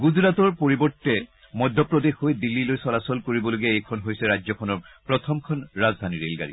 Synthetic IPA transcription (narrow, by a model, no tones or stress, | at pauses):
ɡuzɹatɔɹpoɹibɔɹtːɛ | mɔdʱːɔpɹɔdexɦojdilːilojsɔlasɔlkoɹibɔloɡɛejkʰɔnɦojsɛɹazɔkʰɔnɔɹpɹɔt̪ʰɔmkʰɔnɹazd̪ʱaniɹḛlɡa̰ɹḭ